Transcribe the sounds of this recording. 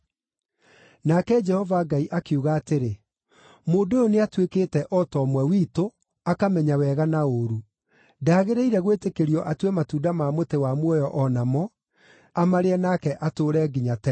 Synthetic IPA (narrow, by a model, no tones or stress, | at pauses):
nakɛd͡ʒɛhɔvaɡaiʔakeuɣaːteɾe | moːdojoneatwekeːtɛʔɔtɔːmwɛwiːto | akamɛɲawɛːɣanaoɾu | daːɣeɾeiɾɛɣwetekeɾiɔʔatwɛmatuːdamaːmotewamwɔjɔʔɔnamɔ | amaɾeɛnakɛʔatoːɾɛːɡiɲatɛ